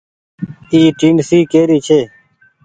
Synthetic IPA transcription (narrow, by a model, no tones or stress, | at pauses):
iːʈiːnsiːkeːɾiːt͡ʃʰeː